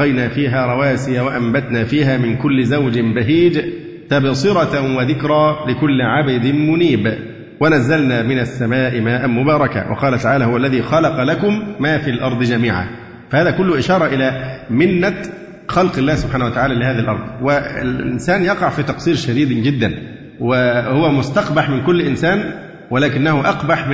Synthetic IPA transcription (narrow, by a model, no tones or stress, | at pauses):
ɣɑjnaːfiːɦaːɾˤɑwaːsɪjawaʔambat̪naːfiːɦaːmɪnkʊlːɪzawd͡ʒɪmbaɦiːd͡ʒ | t̪æbsˤɨɾˤɑwɪðɪkɾˤɑːlɪkʊlːʕabɪd̪ɪnmʊniːb | wanazːalnaːmɪnasːamaːʔɪmaːʔanmʊbɑːɾˤɑka̰wʔɑ̰qɑːlat̪aʕaːlaːhʊwalːæðiːxɑlɑqɑlakʊmːaːfiːlʔɑɾˤd̪ˤd͡ʒæmiːʕa̰ | fæhaːðæːkʊlːʊhʔɪʃɑːɾˤɑʔɪlæːmɪnːa | xɑlqɪlːæːhsʊbħaːnhwat̪aʕaːlæːlɪhaːðælʔɑ̰ɾˤd̪ˤwɪ̰lʔʔɪ̰nsæːnjɑqɑʕfiːt̪ɑqsˤiːɾʃæd̪iːd̪d͡ʒɪd̪ːan | wɪhʊwæmʊst̪ɑqbaħmɪnkʊlːʔɪnsaːn | wɪlaːkɪnːahʊʔɑqbaħ